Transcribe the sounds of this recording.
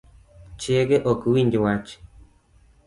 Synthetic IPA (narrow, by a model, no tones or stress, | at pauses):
t͡ʃeɡeʔokuwindʲewat͡ʃ